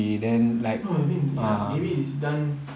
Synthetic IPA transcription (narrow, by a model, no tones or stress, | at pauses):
idɛ̃nlaɪknoamĩnamebiisdãn